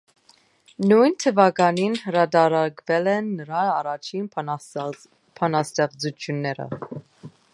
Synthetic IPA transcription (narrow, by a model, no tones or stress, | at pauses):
nujnt̪ʰəvɑɡɑninhəɾɑd̪ɑɾɑɾɡvɛlɛnːəɾɑɑrɑt͡ʃʰin | pʰɑnɑst̪ɛʁd͡zut̪ʰjunːɛɾə̰